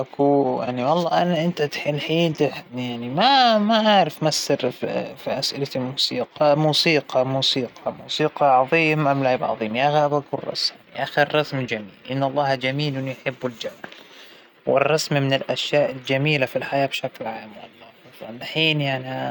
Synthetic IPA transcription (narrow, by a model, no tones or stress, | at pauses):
ʔakujaʕniwɑlˤːɑːʔanaʔɪnt̪at̪ħilħiːd̪ɪħjaʕnimamaʔaʕɾˤɪfmasːɪɾ̰fiʔasʔɪlat̪imuːsiːqɑmuːsiːqʰɑmuːsiːqʰɑmṵːsiːqɑʕɑðˤiːmʔamlaʕɪbʕɑ̰ðˤiːmjaɣabʔakurˤːɑ̰sjaʔaxɪrˤːɑsmd͡ʒamiːlʔɪnːɑlˤːɑːhd͡ʒamiːlwɪnːujħɪbːɪld͡ʒab | wɪ̰rˤːɑsmmɪnɪlʔaʃjaːʔɪld͡ʒamiːlafilħajaːbʃaklʕaːmwɑ̰lˤːɑfˤanːaħiːnjaʕni